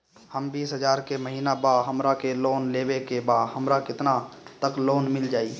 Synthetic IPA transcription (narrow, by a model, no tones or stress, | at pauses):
həmbiːsɦəd͡ʒaːɾkeməɦiːnabaːɦəmɾakeloːnleːwekebaːɦəmɾakɪt̪nat̪əkloːnmɪld͡ʒaːiː